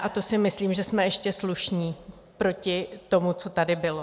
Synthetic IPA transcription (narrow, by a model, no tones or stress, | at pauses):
ʔat̪o̞sɪmɪsliːmʒɛsmɛɛʃcɛsluʃɲiː | pɾo̞cɪt̪o̞mut͡so̞t̪adɪbɪlo